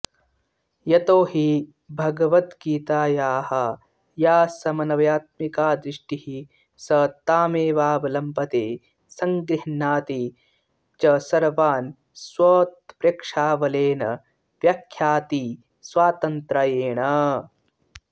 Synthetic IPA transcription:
jɐt̪oːhi | bʱɐɡɐʋɐt̪ɡiːt̪aːjaːhɐ | jaːsɐmɐnɐʋjaːt̪̚mikaːd̪ɾiʂʈihi | sɐt̪aːmeːʋaːʋɐlɐmpɐt̪eː | sɐŋɡɾɪɳaːt̪i | t͡ʃɐsɐɾʋaːn | swɐːt̪̚pɾeːkʂaːʋɐleːnɐ | ʋjɐkʰːjaːt̪i | swaːt̪ɐnt̪ɾɐjeːɳɐ

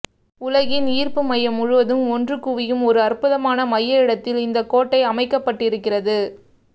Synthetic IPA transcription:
ʊlɐɣɪniːrpɯmɐjːɐmʊɻʊʋɐðɯmɔndrɯkːuʋɪjɯmɔɾɯɐrpʊðɐmaːnɐmɐjːɐɪɽɐt̪ːɪlɪnd̪ɐkːoːʈːɐɪɐmɐɪkːɐpːɐʈːɪɾɯkːɪrɐðɯ

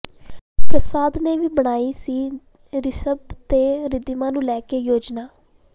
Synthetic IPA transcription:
pɾəsaːd̪neːʋiːbəɽ̃aːiːsiː | ɾɪsəbt̪eːɾɪd̪imãːnũːlɛːkeːjoːd͡ʒnaː

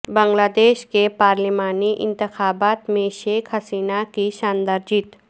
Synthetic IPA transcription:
bɐ̃ŋɡlaːd̪eːʃkepaːɾlimaːniʔɪ̰̃nt̪ɪxaːbaːt̪mẽʃeːkʰhɐsiːnakiʃaːnd̪əɾd͡ʒɪt̪

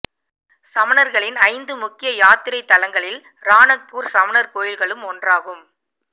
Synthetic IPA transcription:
sɐmɐnɐɾɣɐɭɪnɐɪnd̪ɯmʊkːɪjɐjaːt̪ɪɾɐɪt̪ːɐlɐŋɡɐɭɪl | ɾaːnɐk̚puːɾsɐmɐnɐɾkoːjɪlɣɐɭɯmɔndraːɣɯm

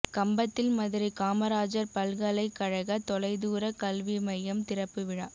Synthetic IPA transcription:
kɐmbɐt̪ːɪlmɐðɪɾikaːmɐɾaːd͡ʒɐɾpɐlɣɐlɐɪkːɐɻɐɣɐt̪ɔlɐɪðuːɾɐkɐlʋimɐjɐmt̪ɪɾɐpːɯʋɪɻa̰ː

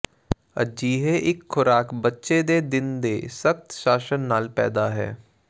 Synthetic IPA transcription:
ə̰d͡ʒiːɦeːʔɪkʰːʊɾaːkbətːʃeːd̪eːd̪ɪnd̪eːsək̚t̪ʃaːʃənːaːlpɛ̰ːd̪aːɦɛ̰ː

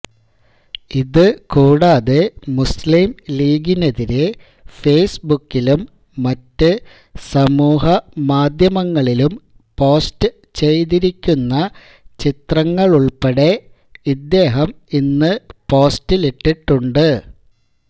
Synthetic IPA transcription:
iðɨkuːɽaːðemusliːmliːɡineðiɾe | fe̞ːsbukːilumː | ɐtːɨ | sɐmuːɦɐmaːd̪ʱjɐmɐŋːɐɭilum | po̞ːstɨ | t͡ɕejðiɾikʲːunːɐ | t͡ɕit̪rɐŋːɐɭuɭpeɽe̞ | id̪ːe̞ːɦɐm | inːɨpo̞ːstileʈːiʈːuɳɖɨ

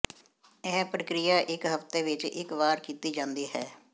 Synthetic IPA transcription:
ɛːpɾəkɾɪjaːʔɪkɦəpt̪eːʋɪt͡ʃɪ̰kʋaːɾkiːt̪iːd͡ʒãːnd̪iːɦɛː

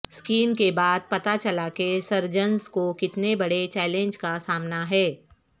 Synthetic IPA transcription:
skiːmkebaːd̪̚pɐt̪at͡ʃɐlakesɐɾd͡ʒənskokɪt̪nebɐɽet͡ʃɛːlẽɲd͡ʒkasaːmnaɦɛː

